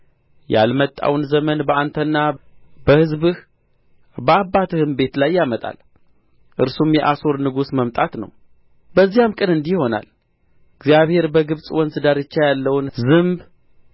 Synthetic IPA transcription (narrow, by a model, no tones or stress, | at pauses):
ja̰lmət̪ʼːa̰wnzəmənbəʔant̪ʰənːab̥əhɨzbɨh | bəabːat̪ʰɨhɨmbe̞t̪lajːamət̪ʼa̰l | ʔɨɾsumjɛʔaso̞ɾnɨɡusməmt̪ʼat̪nə̰w | bəzːijamkʼɨnɨnd̪iho̞na̰l | ɨɡzijaβhe̞ɾbəɡɨβsʼwɔnsɨd̪aɾɨt͡ʃːajalːəwnzɨmb